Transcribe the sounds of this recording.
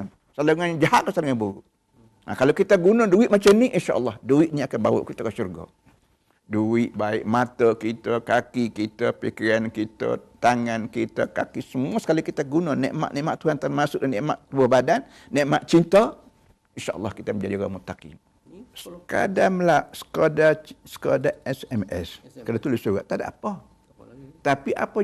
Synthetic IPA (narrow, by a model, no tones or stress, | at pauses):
saluŋand͡ʒaɦaʔkasaluŋanbuɾuʔ | a̰kalokit̪aɡunɔduiʔ̪̚mat͡ʃamniʔinʃaʔəlːɑhduiʔ̪niakanbawɔ̰ʔkit̪akaʃurɡɔ̰ | duɪʔbaɪʔmat̪əkit̪əkakikit̪əpikiɾankit̪ə̰t̪aŋankit̪ə̰ka̰kisəmuəsə̥kalikit̪aɡunanɛʔma̰ʔnɛʔma̰ʔt̪uhant̪anmasʊʔənɛʔmaʔt̪əbəhbadanː | ɛʔmaʔt͡ʃint̪a | inʃaʔəlˠːɑhkit̪əməɲd͡ʒadiɣamut̪akḭm | səka̰damlaʔsə̥kodasə̥kodaɛsɛmɛ̰skadat̪ulɪsuɣaʔt̪ada̰ʔapa | t̪apiʔa̰pa